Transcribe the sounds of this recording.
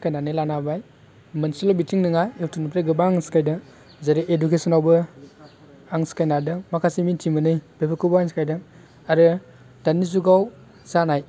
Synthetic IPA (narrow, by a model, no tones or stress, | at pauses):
skajnanɯjlanabaj | mənsilɔbitiŋnɯŋajeltʰunpʰɾeɡɯbaŋskajdɯ | zaɾiʔedukesɔnawbɯ | aŋskajnadɯmakʰasimintʰimɯnɯjb̥ebʰɯkʰɯbaŋskajdɯ | aɾɯ | d̥anizuɡaw | zanaj